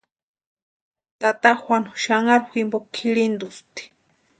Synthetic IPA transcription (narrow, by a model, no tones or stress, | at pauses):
t̪at̪axwʷanu̥ʃaŋaɾximbokʰiɾind̪ust̪i̥